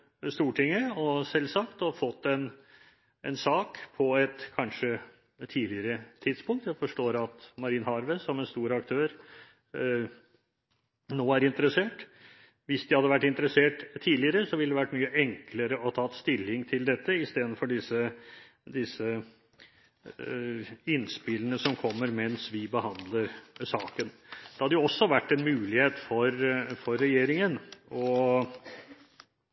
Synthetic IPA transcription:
st̪uːʈʰɪŋːəɔsɛlsɑkt̪ɔfɔt̪ːɛn | ɛnsɑːkpʰɔɛt̪kʰɑnʂə | t̪ʰiːlɪəɾət̪ʰɪd̪spʊŋk̚t̪jæfɔʂʈoːɾɑt̪mɑɾiːnhɑɾʋəsɔmɛnst̪uːɾɑk̚t̪ʰøːɾ | noːæɾɪnt̪əɾəseːʈ | ʋɪsd̪ɪhɑd̪əʋæʈːɪnt̪əɾəseːʈt̪ʰːiːlɪəɾəsɔʋɪld̪ɛʋæʈːmyːəʔɛŋkləɾəɔt̪ʰɑːt̪st̪ɪlːɪŋt̪ʰɪld̪ɛt̪ːəɪst̪eːd̪ənfɔɖɪsə | d̪ɪsə | ɪnspɪlənəsɔmkʰɔmːəɾmɛnsʋɪbəhɑnd̪ləɾsɑːkənd̪̥ɛhɑd̪əjʊɔsːɔʋæʈːɛnmʉːlɪheːt̪fɔɾfɔɾːɛjeːɾɪŋənɔ

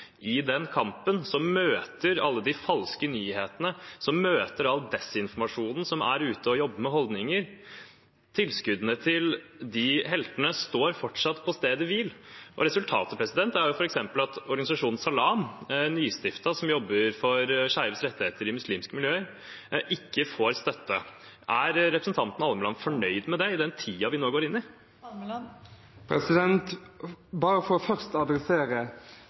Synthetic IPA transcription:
ʔɪd̪ɛnkʰɑmpənsɔmmøːt̪əɾɑlːəd̪ɪfɑlskənyːheːt̪ənəsɔmːøːt̪əɾɑld̪ɛsɪnfɔɾmɑʂuːnn̩sɔmæ̰ɾʉːt̪əɔjɔbːəmɛɦɔld̪nɪŋəɾ | t̪ʰɪlskʉd̪ənət̪ʰɪld̪ɪɦɛlt̪ənəst̪oːɾfɔʈʂɑt̪ːpʰɔst̪eːd̪əʋɪlʔɔ̰ɾɛsʉlt̪ʰɑ̰ːt̪əpʰɾɛsɪd̪ɛnt̪æɾjʊfɔɾɛksɛmpəlɑt̪ɔɾɡɑnɪsɑʂuːnn̩sɑlɑːmnyːst̪ɪft̪ɑsɔmjɔbːəɾfɔɾʂæɪʋəsɾɛt̪ːɪheːt̪əɾɪmʉsliːmskəmɪljøːəɾ | ʔɪkːəfoːɾst̪œt̪ːə | ʔæɾɾɛpɾsn̩t̪ʰɑnt̪ənɑɑlməlɑnfɔɳœʏd̪mɛd̪ɛɪd̪ɛnt̪ʰiːɑʋɪnoːɡoːɾɪnːɪ | pʰɾɛsɪd̪ɛnt̪bɑːɾəfɔɾɔfœʁst̪ɑd̪ɾɛseːʁə

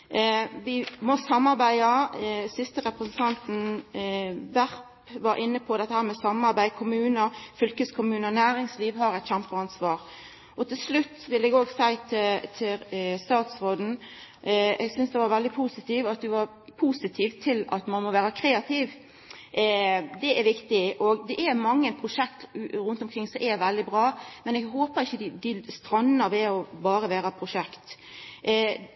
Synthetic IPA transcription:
ʋɪmɔsɑmːɑɾbæɪɑsɪst̪əɾɛpʁəsn̩t̪ʰɑnt̪n̩ | ʋæʁppʋɑɾʔɪnːəpʰɔd̪ɛt̪ːəhæːɾmɛsɑmɑɾbæɪkʰʊmʉːnəfʏlkəskʰʊmʉːnənæːɾɪŋsliːʋɦɑɾɛɪt̪çæmpəɑnsʋɑːʁ | ɔt̪ʰɪlslʉt̪ːʋɪlɛːɡoːɡsæɪt̪ʰɪt̪ʰɪst̪ɑːt̪sɾoːd̪n̩ | ɛɡsʏnsd̪ɛʋɑɾʋɛld̪ɪpʰusɪt̪iːʋɑt̪̚d̪ɛʋɑɾ | pʰusɪt̪ʰiːʋt̪ʰɪlɑ̰t̪mɑnmɔʋæːɾɑkʰɾeːɑt̪ʰiːʋ | d̪ɛʔæɾʋɪkt̪ɪʔɔɡd̪ɛʔæɾmɑŋːəpʰɾʊʂɛk̚t̪ɾʉnt̪ɔmkʰɾɪŋːsɔmʔɛʋɛld̪ɪbɾɑːmɛnɛɡɦoːpəɾɪçːəd̪ɪd̪ɪst̪ɾɑnːəʋɛɔbɑːɾəʋæːɾɑpʰɾʊʂɛkt̪

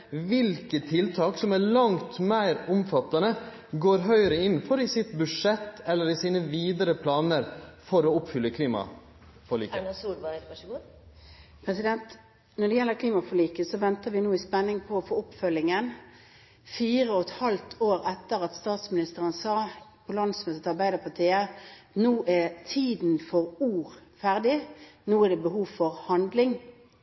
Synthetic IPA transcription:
ʋɪlkət̪ʰːɪlt̪ʰɑːksɔmælɑŋt̪mæɪɾʊmfɑt̪ːɑnə | ɡoːɾɦœʏəɾəɪnfɔɾɪsɪt̪bʉʂɛt̪ːɛlːəɾɪsiːnəʋiːd̪əɾəpʰlɑːnəɾfɔɾoːʊpfʏlːəkʰliːmɑ̰ | fɔɭḭːknsuːɾbɑɑɡu | pʰʁɛsɪd̪ɛnt̪ | nɔɖɛjɛlːəkʰliːmɑfɔʁlɭiːkəsɔʋɛnt̪əʋɪnuːɪspɛnːɪŋpʰɔːfoːʊpfœlːɪŋən | fiːʁəɔt̪hɑlt̪ʰoːɾɛt̪ːəʁɑt̪st̪ɑːt̪smɪnɪst̪əʁənsɑːpʰɔlɑnd̪smøːt̪ət̪ɑʁbæɪd̪əpʰɑt̪ʰiːənuːʔæt̪ʰiːd̪n̩fɔʁuːʁfæʁd̪ɪnuːæɖɛbəɦuːʋfɔʁhɑnd̪lɪŋ

